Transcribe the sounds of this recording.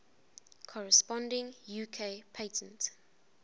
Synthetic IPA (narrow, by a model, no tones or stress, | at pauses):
kʰɔɹəspɔ̃ndɪ̃ŋjuːkʰepʰeɪtʰə̃nt